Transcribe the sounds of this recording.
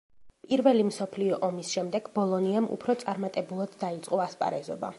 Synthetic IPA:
pʼiɾvɛlimsɔpʰliɔʔɔmisʃɛmd̪ɛɡ̥bɔlˠɔniamṵpʰɾɔt̪sʼaɾmat̪ʼɛbulˠad̪ːait̪sʼqʼɔaspʼa̰ɾɛzɔba̰

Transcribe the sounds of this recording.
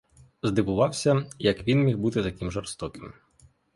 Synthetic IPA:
zd̪ɪʋʊʋɑwsʲɐjɐkʋʲinmʲixbut̪ɪt̪ɐkʲimʒɔrst̪ɔkem

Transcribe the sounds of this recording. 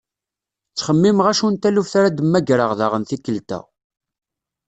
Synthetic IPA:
t͡sːχəmːimʁæʃunt̪ælufθaɾad̪əmːæɡɾəʁðaʁənθikːəlt̪æ̰

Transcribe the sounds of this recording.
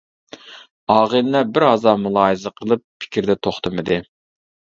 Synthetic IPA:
ɑːʁənɛbɪɾhɑzɑːmulˠɑːjizɨqʰəlˠɨpːʰɪ̥kʲʰɾd̪ɛt̪ʰoχt̪ɨmɨd̪ɨ

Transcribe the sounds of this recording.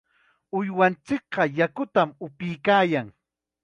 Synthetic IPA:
ʊjwant͡sɪk̚ɢɑjakʊt̪amʊpɪjkaːjaŋ

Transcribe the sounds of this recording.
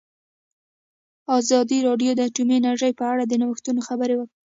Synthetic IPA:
ɑzɑd̪iɾɑɖjod̪əʈumenaʒəjpəaɽad̪ənawəxt̪unoxabəɾewəkɽe

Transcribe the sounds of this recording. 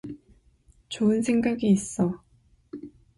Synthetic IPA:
t͡ɕoɯnsʰe̞ŋɡaɡiːs͈ʌ

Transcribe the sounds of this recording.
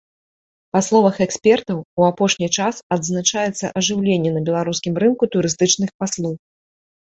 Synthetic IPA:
paslˠɔvɐxɛksʲpʲɛrt̪ɐwuapɔʂnʲit͡ʂasɐd̪znat͡ʂajɛt̪sːɐ̰ʔɐʐɨwlʲenʲːɛnɐbʲɛlˠaɾuskʲimɾɨnkut̪uɾɨst̪ɨt͡ʂnɨxpaslˠuw

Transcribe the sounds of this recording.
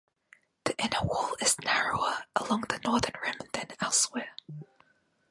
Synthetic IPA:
ðiʔɪ̃nəwəlˠɪz̥nɛɹoʊə˞əlɔ̃ŋðɨnɔɹðə̃nɹɛ̃m̃ndɨ̃nɛlˠswɛɹ

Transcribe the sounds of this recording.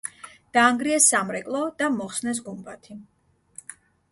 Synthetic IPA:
d̪̥aːŋɡɾiɛsamɾɛkʼlˠɔd̪̥amɔχsnɛs̬ɡumbat̪ʰi

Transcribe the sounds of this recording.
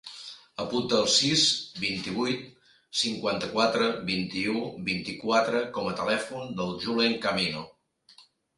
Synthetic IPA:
əpunt̪əːlˠsisbint̪iβujt̪ | siŋkwant̪əkwat̪ɾəβint̪iubint̪ikwat̪ɾəkɔmət̪əlɛfund̪əlˠʒuleŋkəminu

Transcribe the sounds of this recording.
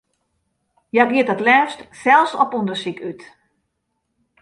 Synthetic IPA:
jaɡiətətlɛːfstsɛlˠsɔpundəsikʰyt

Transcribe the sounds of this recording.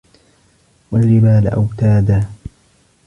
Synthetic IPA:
walːɪbaːlʔa̰wt̪aːd̪aː

